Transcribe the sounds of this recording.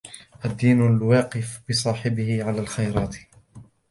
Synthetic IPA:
ʔad̪ːiːnlwɑːqɪfbɪsˤɑːħɪbɪhɪʕalaːlxajɾˤɑːt̪

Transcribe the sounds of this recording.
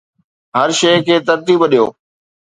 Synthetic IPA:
ɦɐɾʃeːkʰeːt̪ɐɾt̪iːbɗijo̰ː

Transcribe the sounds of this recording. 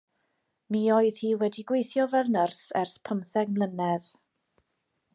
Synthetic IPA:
miːɔːɨð̥hiːwɛdiɡwejθjɔvɛlnərsɛrspʰəmθɛɡmlˠənɛð

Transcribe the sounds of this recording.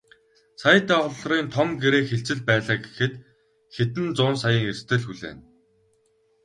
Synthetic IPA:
saj̆t̪aːχʊɮriːnt̪ʰɔmɡeɾeːxeɬt͡sɘ̆ɮpæːɮaːɡexɘ̆t̪ | xet̪ɘ̆nt͡sʊːnsajəːŋerst̪ʰɘ̆ɮxuɮḛːn

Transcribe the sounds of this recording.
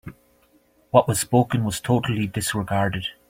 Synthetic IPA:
wɔʔwɔz̥spokə̃nwɔz̥tʰoʔəl̩ˠidɪsɹɪɡaɹdɪd̥

